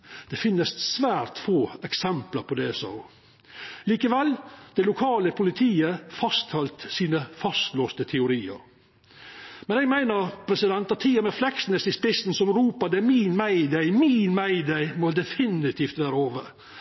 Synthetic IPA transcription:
d̪̥ɛfɪnːəssʋæːɾt̪foːɛksɛmpləɾpʰɔd̪ɛsɑ̰ʊ | liːkəʋɛld̪̥ɛlʊkʰɑːləpʰʊlɪt̪ʰiːəfɑst̪hɑlt̪siːnəfɑst̪loːst̪ət̪ʰɛʊɾiːə̰ɾ | mɛnɛɡmæɪnəɾpʰɾɛsɪd̪ɛnt̪ɑt̪ʰiːɑmɛflɛksnəsɪspɪsn̩sɔmɾuːpɑd̪ɛmiːnmæɪd̪æɪmiːnmæɪd̪æɪmɔd̪ɛfɪnɪt̪ʰiːft̪ʋæːɾəoːʋəɾ

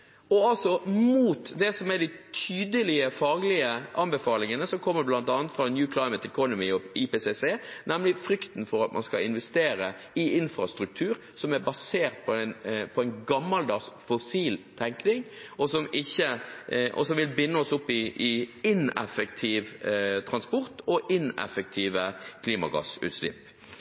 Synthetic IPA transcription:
ɔɑlsɔmuːt̪d̪ɛsɔmɛɖɪt̪ʰyːd̪əlɪəfɑːɡlɪəʔɑnbɛfɑːlɪŋənəsɔkʰɔmːəblɑnt̪ɑːnət̪fɾɑnjʉːkʰlaɪmət̪ɛkʰɔnɔmɪɔɪpeːseseːnɛmlɪfɾʏkt̪n̩fɔɾɑt̪mʔɑ̰nskɑ̰ɪnʋɛst̪eːɾə | ɪɪnfɾɑst̪ɾʉk̚t̪ʰʉːɾ | sɔmæɾbɑseːʁt̪̚pʰɔɛnpʰɔɛɪnɡɑmːɑld̪ɑsfɔsiːlt̪ʰɛŋknɪŋɔsɔmɪçːəʔɔ̰sɔmʋɪlbɪnːəɔsʊpːɪʔɪɪnɛ̰fəkt̪ʰiːʋt̪ʰɾɑnspɔɾt̪ʰɔʔɪnɛ̰fək̚t̪ʰiːʋəkʰliːmɑɡɑ̰sʉ̰ːt̪slɪ̰pː

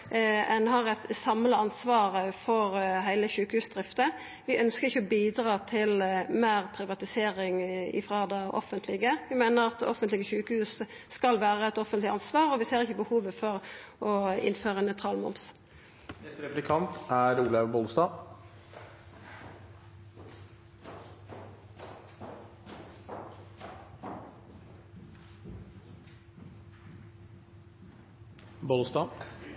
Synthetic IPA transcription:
ɛnhɑʁɛt̪sɑmləɑnsʋɑːʁəfɔʁɦæɪləçʉːkəhʉːsd̪ʁɪft̪ə | ʋɪʔœnskəʁɪçːəɔbiːd̪ɾɑːt̪ʰɪlmæːʁpʰɾɪʋɑt̪ɪseːʁɪŋɪ̰fʁɑːd̪ɛʔɔ̰fənt̪ʰlɪɡəʋɪmæɪnəʁɑt̪ɔfənt̪lɪɡəçʉːkəhʉːs | skɑlʋæːʁəɛt̪ɔfənt̪lɪɑnsʋɑːʁɔʋɪseːʁɪçːəbəhuːʋəfɔʁɔɪ̰nføːʁənœt̪ʰʁɑːlmɔ̰mps | nɛst̪ɾɛplɪkʰɑnt̪æːɾuːləbɔlst̪ɑː | bɔlst̪ɑː

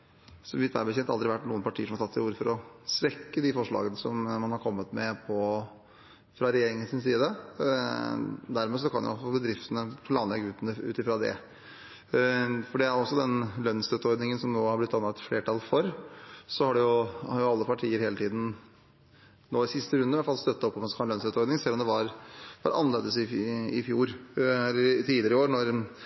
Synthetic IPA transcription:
sɔmʋɪt̪ʋæ̰ɾbəçɛnt̪ɑld̪ɾɪʋæʈːnuːənpʰɑʈʰiːəʂɔmɑʈ̪ʰɑt̪ːɪuːɾəfɔɾɔsɾɛkːəd̪ɪfɔʂɭɑ̰ːɡənəsɔmmɑnhɑɾkʰɔmːət̪mɛpʰɔ | fɾɑɾɛjeːɾɪŋənsɪnsiːd̪ə | d̪æɾmes̬ɔkʰɑnjʊ̰ɔsɔbəd̪ɾɪft̪ənəpʰlɑːnlɛɡʉːt̪nəʉ̰ːt̪ɪfɾɑd̪ɛ̰ | fɔɖɛæɾɔsːɔd̪ɛnlœnst̪œt̪ːɔɾd̪nɪŋənsɔmnoːhɑɾblɪt̪ːɑnːɑt̪fleːʈɑlfɔɾsɔhɑɖɛjʊhɑɾjʊɑlːəpʰɑʈʰiːəɾheːlət̪ʰiːd̪n̩ | noːɪsɪst̪əɾʉnd̪əʋɛæfɑlst̪œt̪ːəɔpːɔmɛnskʰɑnœnst̪œt̪ɔɾd̪nɪŋsɛlːɔmd̪ɛʋɑɾʋɑ̰ɾʔɑ̰nleːd̪əsɪɪfjuːɾɛlːəɾt̪ʰiːd̪lɪəɾəɪoːɾnɔɾ

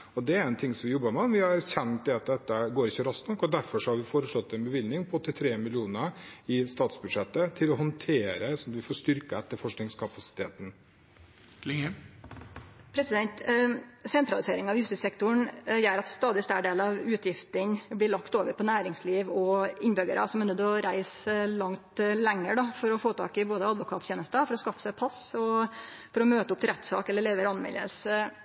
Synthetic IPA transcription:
ɔd̪ɛæɾɾɛnt̪ʰɪŋsɔmʋɪjɔbːəmɛɔnʋɪhɑɾæɾçɛnt̪̚d̪ɛɑt̪̚d̪ɛt̪ːəɡoːɾɪçːəɾɑst̪nɔkːɔd̪æɾfɔʂɔhɑɾʋɪfoːɾəʂlɔt̪ːɛnbəʋɪlnɪŋpʰɔɔt̪ːət̪ʰɾeːmɪlɪuːnəɪst̪ɑːt̪sbʉd̪ʂɛt̪ːət̪ʰɪlɔɦɔnt̪ʰeːɾəsɔmɑt̪ʋɪfoːʂt̪ʏɾkəɛt̪ːəɾfɔʂknɪŋskʰɑpɑsɪ̥t̪ʰeːt̪n̩ | lɪŋə | pʰɾɛsɪd̪ɛnt̪sɛnt̪ɾɑlɪseːɾɪŋɑʋjʉst̪ɪsɛkt̪ʊɳjæːɾɑt̪st̪ɑːd̪ɪst̪æːɖeːlɑʋʉːt̪ʰjɪft̪ənblɪɭɑkt̪oːʋəɾpʰɔnæːɾɪŋsliːʋɔɪnbʏɡə̰ɾʔɑ̰sɔmɛnʉd̪ɔɾæɪslɑŋt̪lɛŋːəɖɑfɔɾɔfoːt̪ʰɑ̰ːkɪboːd̪əɑd̪ʋʊkʰɑ̰ːt̪çeːnəst̪əfɔɾɔskɑfːə̥sæɪpʰɑsɔ | fɔɾɔmøːt̪əʊpt̪ʰɪlɾɛt̪ːsɑ̰ːkɛlːəɭeːʋəɾɑnmɛ̰lːə̰lsə

